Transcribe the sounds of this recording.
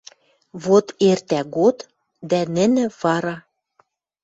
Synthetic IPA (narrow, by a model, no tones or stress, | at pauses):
βot̪ert̪æɣot̪ | d̪ænɘ̆nɘ̆βɑɾɑ